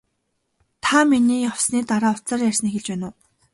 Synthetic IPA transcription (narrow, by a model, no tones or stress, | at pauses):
t̪ʰaminiːjaw̥sniːt̪aɾaːʊ̥t͡saːrjær̥ʲs̆nexɘ̆ɮt͡ɕpæːnʊː